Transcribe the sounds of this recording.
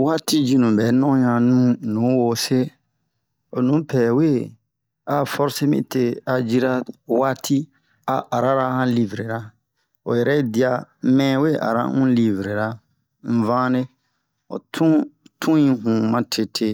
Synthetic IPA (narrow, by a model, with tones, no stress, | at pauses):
waː˦ti˦d͡ʒi˦nũ˨bɛ˨˦nɔ̃˦ɲã˨nũ˦nũː˨˦wo˦se˦ | o˨nũ˨˦pʰɛː˨we˦ | a˨fɔ˦ɾse˦mḭ̃˦te˦a˨d͡ʒi˦ɾa˦waː˦tʰi˦ | a̰˨ʔa˨ɾa˦ɾa˦hã˦li˦vɾe˨ɾa˦ | o̰˨jɛ˨ɾɛ˦di˦a˨mɛ̃ː˦we˦˨a̰˨ɾa̰˦ŋũ˦li˦vɾe˨ɾa˦ | m̩˨vãː˦ne˦ | o̰˨tʰũ˦tʰũ˦ĩ˦ɦũ˨mã˨tʰe˨tʰe˦